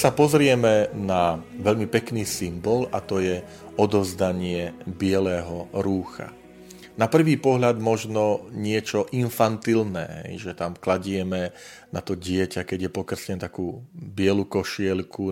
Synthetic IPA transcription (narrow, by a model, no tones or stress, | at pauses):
sapɔzɾɪɛmɛnaʋɛʎmipɛkniːsimbɔlat̪ɔjɛ | ɔd̪ɔzd̪aɲɪɛbɪɛlɛːɦɔɾuːxa̰ | napr̩ʋiːpɔɦʎad̪mɔʒnɔɲɪɛt͡ʃɔʔinfant̪ilnɛ̰ːɦɛ̰jʒɛt̪amklaɟɪɛmɛ | nat̪ɔɟɪɛcakɛɟjɛpɔkr̩sɲɛnt̪akuːbɪɛlukɔʃɪɛlku